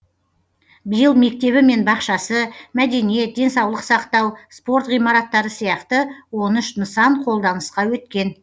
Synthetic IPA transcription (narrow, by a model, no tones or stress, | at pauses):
bəjəlˠme̞k̚t̪e̞βɪme̞nbɑqʃɑsəmæd̪e̞nije̞t̪̚d̪e̞nsɑwlˠəqsɑqt̪ɑwspo̞ɾt̪ʁijmɑɾɑt̪ːɑɾəsijɑqt̪əwo̞nɪʃnəsɑɴqʰo̞lˠd̪ɑnəsqɑwɵt̪kʲe̞n